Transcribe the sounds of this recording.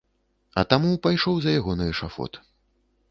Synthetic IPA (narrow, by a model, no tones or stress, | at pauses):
ɐ̰t̪amupajʂɔwzɐjaɣɔnɐjɛʂafɔ̰t̪